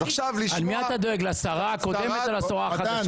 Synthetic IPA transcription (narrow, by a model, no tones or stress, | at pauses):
ʃavlialmiat̪ad̪o̞eɡlasaʁako̞d̪emet̪alasoʁaːad̪